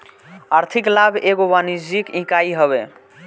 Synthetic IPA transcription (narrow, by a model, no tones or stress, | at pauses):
aɾt̪ʰiklabʱeɡobanid͡ʒikĩkaiɦəβe